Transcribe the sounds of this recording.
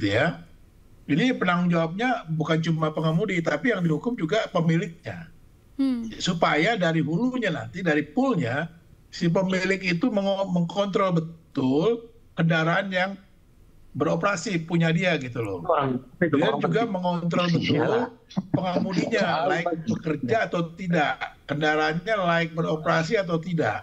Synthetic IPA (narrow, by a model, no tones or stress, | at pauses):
it̪uja | inipənaŋŋd͡ʒawap̚ɲabukant͡ʃumahpəŋamudit̪apijaŋdihukʊmd͡ʒuɡapəmilɪk̚ɲa̰ | supajadaɾiɦuluɲana̰nt̪idaɾipʊlɲasip̬əmilɪkit̪uməŋməŋkʰɔnt̪̬ɾɔlbət̪ʊl | kəndaɾaːnjaŋ | bəɾopɾasipuɲadiaɡit̪ulɔ̰ | and͡ʒuɡaməŋɔnt̪̬ɾɔlbət̪ʊlpəŋamuliɲalaɪk̚bəkərd͡ʒaːt̪awt̪idaʔkəndaɾaːnɲalaɪk̚bəɾopɾas̬iat̪̬awt̪ida̰ʔ